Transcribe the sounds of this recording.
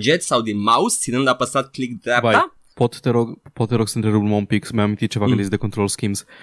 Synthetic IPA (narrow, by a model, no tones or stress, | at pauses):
d͡ʒɛt̪sawd̪imawssid̪ənd̪apast̪ɾat̪̚klikd̪ɾɛpaa | pot̪ːɛɾokpot̪ːɛɾoksɛnt̪ɾɛɾublmɔmpiksmɛomit̪it͡ʃɛʋaɡɐnd̪izd̪ekont̪ɾolˠskims